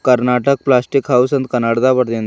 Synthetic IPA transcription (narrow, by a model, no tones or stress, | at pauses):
kəɾnaʈək̚plasʈikɦausənt̪kənaɽd̪abəɾt̪en